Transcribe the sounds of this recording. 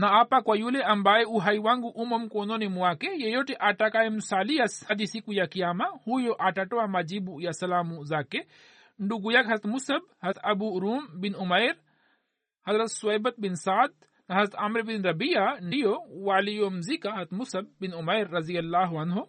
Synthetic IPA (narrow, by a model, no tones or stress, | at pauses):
nɐaːpakwɐjuleʔɐmbaːeuɦɐjwaŋɡuʔumɐmkoːnonimuwaːkejejoʈiʔaːʈakaːjimnusaːlijashɐd̪isikujakijaːmahuːjoʔaːʈaʈowamɐd͡ʒibujasɐlaːmuzaːke | ɳɖuɡujakɦɐzɾɐt̪musɐb̚hɐt̪ʰɐbuɾuːmbinumɐjɾ | hɐzɾɐt̪suɐjbɐt̪̚binsaːd̪̚ | nɐɦɐzɾɐt̪ʰamɾbinɾɐbijanejowaːlijomzikaɦɐzt̪musɐb̚ːinumɐjɾːɐzijɐlːaːɦuɐnɦo